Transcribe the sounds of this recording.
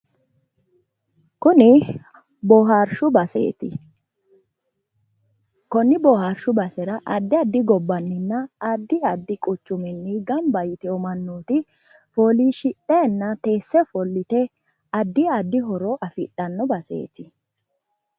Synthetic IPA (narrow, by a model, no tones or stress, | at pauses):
kʊnɪ | bɔɦaɾʃʊbɐsḛːt̪ɪ | kɔnːɪbɔhaɾʃʊbɐsɛɾɐʔɐd̪ːɪɐd̪ːɪɡɔbːɐnːɪnːɐːd̪ːɪɐd̪ːɪkʼʊt͡ʃːʊmɪnːɪɡɐmbɐjt̪ɛɔmɐnːuːt̪ɪ | foːliːʃɪɗɛnːɐt̪e̞ːsːɛfɔlːɪt̪ɛ | ɐd̪ːɪɐd̪ːɪɦɔɾɔʔɐfɪɗɐnːɔbɐsḛːt̪ɪ